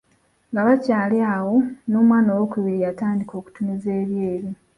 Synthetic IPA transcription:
ŋɡaβacaːleawo̞no̞ːmwaːnowokuβiɾijataːndiko̞ːku̥tunize̞ːβjeːɾi

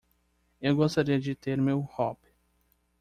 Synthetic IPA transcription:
ewɡost̪aɾiɐd͡ʒɪt̪eɾmewhɔpɪ̥

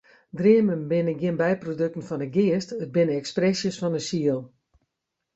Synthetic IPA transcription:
drɪəmənbɪnəɡjɪənbɛjprodøk̚tn̩fɔnəɡɪəstət̚bɪnəɛksprɛsjəsfɔnəsiəlˠ

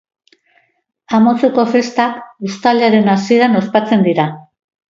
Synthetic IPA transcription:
amo̞t͡se̞ko̞fe̞st̪akust̪alaɾe̞nasie̞ɾano̞spat͡se̞nd̪iɾa

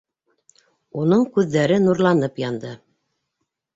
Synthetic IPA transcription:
unɤɴkʉðːæɾɘnuɾlˠɑnɤpjɑnd̪ɤ

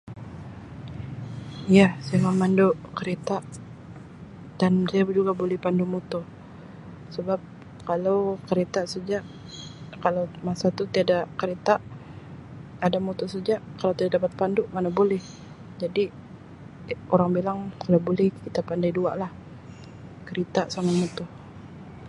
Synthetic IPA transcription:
ijasajamamandoʔkəɾet̪aʔ | d̥ansajabd͡ʒuɡabolɛhpandumut̪o | səbap̚ | kalawkəɾet̪aʔsad͡ʒaʔ | kalawmasat̪ut̪iadakəɾet̪aʔ | adamut̪ʊsad͡ʒaʔkalawt̪iadadapat̪̚pandʊʔmanabolɛh | d͡ʒadi | oɾaŋbilaŋkalawbolɛhkit̪apandajdua̰ʔlah | kəɾet̪asanamut̪ɔh

